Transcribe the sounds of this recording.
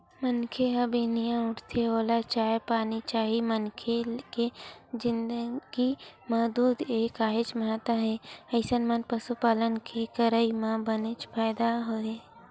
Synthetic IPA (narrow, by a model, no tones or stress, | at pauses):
mənkʰeɦəbenijãʊʈʰt̪ʰeoːlat͡ʃaːjpaːnit͡ʃaːɦimənkʰeked͡ʒɪnd̪əɡ̥iməɦd̪uːd̪eːkaːɦet͡ʃməɦat̪əɦɛɐɪsənmənpəsupaːlənkʰekəɾəimãbənet͡ʃpʰaːɪd̪aɦoe